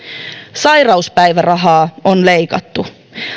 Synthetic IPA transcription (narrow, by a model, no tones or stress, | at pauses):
sɑjrɑuspæjʋærɑɦɑːonle̞jkɑt̪ːu